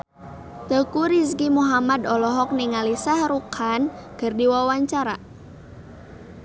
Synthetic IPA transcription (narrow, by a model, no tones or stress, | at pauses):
t̪əkuɾis̬kimuɦamad̪ɔlɔɦɔk̚niŋalisahɾukʰankərdiwawaɲt͡ʃaɾa